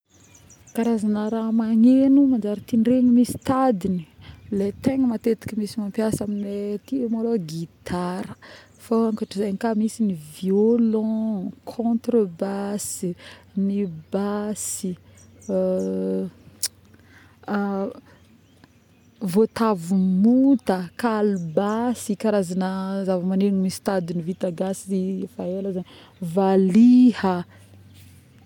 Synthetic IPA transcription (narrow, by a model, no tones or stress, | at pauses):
kaɾazanəɾamaɲenumand͡ʒaɾət̪iɳɖ͡ʐeɲimisi̥t̪ad̪inilet̪eŋimat̪et̪i̥kəmisimampjasaminiet̪imaloɡit̪ʰaɾə̥ | faãŋkaʈ͡ʂizaj̪ikamisiniviolɔ̃kʰɔ̃t̪rəbasinibasi | vot̪avumut̪əkalubasikaɾazanəzavəmanenmist̪ad̪inivit̪aɡasiifaelazani | valihə